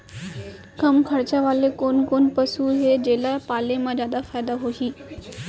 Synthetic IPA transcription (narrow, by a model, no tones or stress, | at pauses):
kəmkʰəɾt͡ɕaʋaːlekoːnkonpəsuɦed͡ʑelapaːlemãd͡ʑjaːd̪afaːjd̪aɦoɦiː